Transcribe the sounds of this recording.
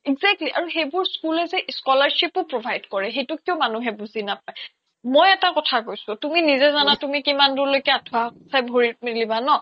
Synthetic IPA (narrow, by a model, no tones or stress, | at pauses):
iɡzɛk̚tliʔaɹuxejbʊɹskulɛzɛskɔlaɹʃipʊpɹobʱajdkɔɹɛɦejtʊkiɔmanuɦɛbuzinap̚aj | mojɛtakɔtʰakojsʊtuminizɛzanatumikimandulojkɛadʰʱuasʰajbʱoɹit̚milibanɔ